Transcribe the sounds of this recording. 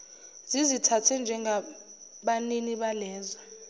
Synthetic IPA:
zizitʰatʰɛnd͡ʒʱɛŋɡʱa | ɓaniniɓalɛːza

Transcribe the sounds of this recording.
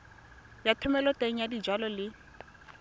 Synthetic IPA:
jatʰʊmɛlɔtʼeŋ̩jadid͡ʒwalɔlɪ

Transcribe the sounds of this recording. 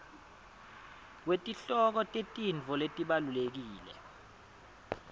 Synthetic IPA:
k̬wetʼiɬɔk̬ɔtʼetʼiɱd͡vʱɔletʼiɓalulek̬iːlɛ̰

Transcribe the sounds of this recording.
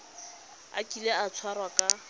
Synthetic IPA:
a̰kʼileat͡sʰwarwakʼa

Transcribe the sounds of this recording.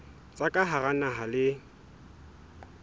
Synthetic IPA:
t͡sʼakʼaɦaɣanaɦalɪ

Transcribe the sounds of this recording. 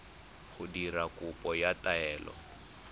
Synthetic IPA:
ɣʊdiɾakʊpʼɔjataɛːlɔ̰

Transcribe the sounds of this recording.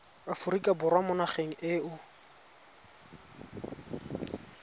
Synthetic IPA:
afʊrikʼabʊrwamʊnaχeŋ̩ʔɪːʊ

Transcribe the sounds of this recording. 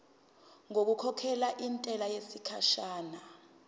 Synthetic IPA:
ŋok̬ukʰɔkʰɛlaʔintʼɛlajesikʰaʃaːna

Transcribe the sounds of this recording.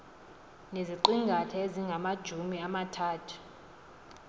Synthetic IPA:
neziǃiŋɡʱatʰɛeziŋɡʱamad̥ʒ̥ʱumiamatʰaːtʰu̥

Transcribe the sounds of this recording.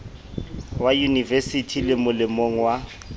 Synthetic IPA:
wajunivesitʰilɪmʊlɪmoŋ̩wa

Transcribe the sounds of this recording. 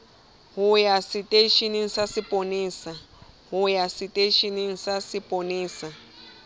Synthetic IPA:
ɦʊjasitʼeʃinɪŋ̩sasɪpʼoneːsa | ɦʊjasitʼeʃiniŋ̩sasɪpʼoneːsa

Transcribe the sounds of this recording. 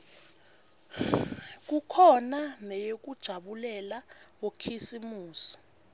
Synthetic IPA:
k̬ukʰɔnanɛjok̬ud̥ʒ̥ʱaɓulɛlawokʰisimuːsɔ̥

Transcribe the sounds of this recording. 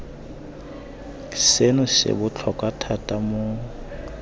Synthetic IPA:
senʊsɪ̰bʊt͡ɬʰɔkʼatʰatʼamʊ

